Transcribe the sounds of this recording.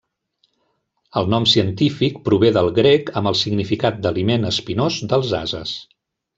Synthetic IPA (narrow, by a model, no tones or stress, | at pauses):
əlˠnɔmsiənt̪ifik̚pɾuβeðəlˠɣɾekəmbəlˠsiɡnifikat̪̚d̪əlimenəspinozd̪əlˠza̰zə̰s